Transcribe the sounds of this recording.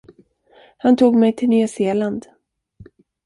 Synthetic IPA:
hant̪ʰuːɡmɛjt̪ʰɪlnyːaseːland̪

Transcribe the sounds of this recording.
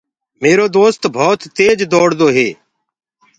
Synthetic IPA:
meːɾoːd̪oːst̪bʱoːt̪ːeːd͡ʒd̪oːɽd̪oːɦeː

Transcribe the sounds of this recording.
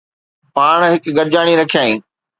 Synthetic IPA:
paːɳ̃ɦɪkɡɐɾd͡ʑaːɽ̃iɾɐkʰijaːĩː

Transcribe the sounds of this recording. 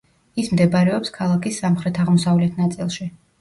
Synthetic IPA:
ismd̪ɛbaɾɛɔpskʰalˠakʰisːamχɾɛt̪ʰaʁmɔsavlɛt̪ʰnat̪sʼilˠʃi

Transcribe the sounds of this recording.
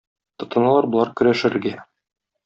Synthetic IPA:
t̪ŏt̪ɤ̆nɑlˠɑɾbŏlˠɑɾkɵ̆ɾæʃɘ̆ɾɘ̆ɾɡæ

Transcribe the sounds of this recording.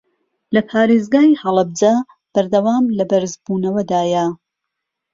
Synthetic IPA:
lɐpʰaːɾeːzɡaːjhɐlˠɨb̚d͡za | b̥ɐɾd̪ɐwaːmlɐbɐɾzbuːnɐwɐd̪aːjɐ

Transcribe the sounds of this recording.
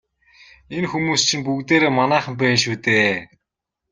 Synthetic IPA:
enxumuːst͡ɕʰĭnp̬ukt̪eːɾeːmanæːχə̆mpæːnʃuːt̪eː

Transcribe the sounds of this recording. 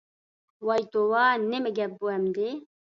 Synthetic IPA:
wɑːjt̪owaːnɛmɨɡɛp̚buɛmd̪e

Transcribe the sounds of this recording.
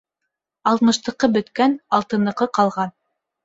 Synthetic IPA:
ɑlˠt̪mɤ̆ʃt̪ɤ̆qɤbɵ̆t̪kænɑlˠt̪ɤ̆nɤ̆qɤqɑlˠʁɑn

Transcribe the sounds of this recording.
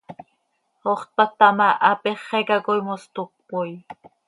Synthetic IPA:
oχt̪̚pak̚t̪amaʔapeχːekakojmost̪oq̚poj

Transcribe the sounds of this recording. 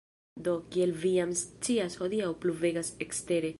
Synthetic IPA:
d̪o̞kielvijamst͡siasho̞d̪iawpluve̞ɡasekste̞ɾe̞

